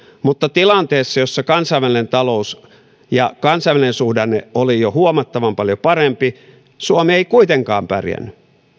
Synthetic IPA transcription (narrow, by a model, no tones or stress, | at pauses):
mut̪ːɑt̪ilɑnt̪eːsːɑjosːɑkɑnsɑiʋælinent̪ɑlous | jɑkɑnsɑiʋælinensuhdɑneolijohuomɑt̪ːɑʋɑmpɑljopɑrempi | suomieikuit̪eŋkɑ̰ːmpæ̰rjæ̰nːy